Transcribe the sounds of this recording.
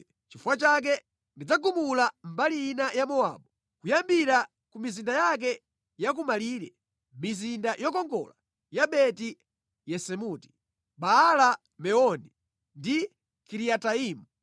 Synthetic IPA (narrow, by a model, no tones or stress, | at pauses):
t͡ʃifuwat͡ʃak̬ɛ | ndid͡zaɡumulambalijinajamɔa̰ːɓɔ | kujambiɾa | kumizindajak̬ɛ | jak̬umaliːɾɛ̰ | mizindajɔkɔŋɡɔ̰la | jaɓɛti | jɛsɛmuti̥ | ɓaːla | mɛɔni | ndi | kiɾiataiːmu